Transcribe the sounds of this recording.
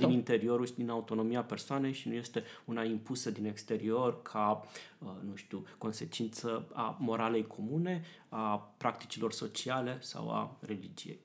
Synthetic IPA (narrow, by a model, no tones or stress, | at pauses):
d̪inint̪e̞ɾio̞ɾuʃd̪inaut̪o̞no̞mieape̞rsoane̞jʃinuje̞st̪e̞unaimpusəd̪ine̞kst̪e̞ɾio̞rkʰa | nuʃt̪uko̞nse̞t͡ʃint̪səamo̞ɾale̞jkʰo̞mune̞apɾak̚t̪i̥t͡ʃilo̞rso̞t͡ʃiale̞sa̰wa̰re̞lid͡ʒije̞̰j